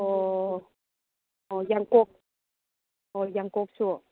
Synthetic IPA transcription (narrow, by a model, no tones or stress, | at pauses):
ɔː | ʔɔːjaŋkok̚ | ʔɔːjaŋkok̚su